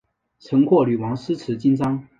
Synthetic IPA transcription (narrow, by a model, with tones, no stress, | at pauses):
t͡sʰɤ˧˥ŋkʰwɔ˥˩ly˨˩wɑ˧˥ŋsɹ̩˥t͡sʰɹɻ̩˧˥t͡ɕi˥nt͡sɑ˥ŋ